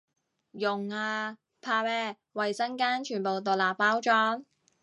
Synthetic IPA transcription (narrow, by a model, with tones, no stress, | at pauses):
jʊ˨ŋaː˧ | pʰaː˧wɛː˥ | wɐ˨jsɐ˥nkaː˥nt͡ʃʰyː˨˩npo˨wt̪o˨˩laː˨pːaː˥wt͡ʃɔː˥ŋ